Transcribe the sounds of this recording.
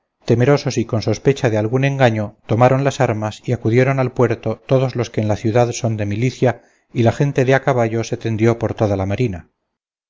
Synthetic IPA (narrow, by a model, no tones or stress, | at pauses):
t̪eme̞ɾo̞so̞siko̞nso̞spe̞t͡ʃaðealɣune̞ŋɡaɲo̞t̪o̞maɾo̞nlasaɾmasiakuðje̞ɾo̞nalpwe̞ɾt̪o̞t̪o̞ðo̞zlo̞ske̞ːnlaθjuðaðso̞nd̪e̞miliθja | ilaχe̞nt̪e̞ðeakaβ̞aʝo̞se̞t̪e̞nd̪jo̞po̞ɾt̪o̞ðalamaɾina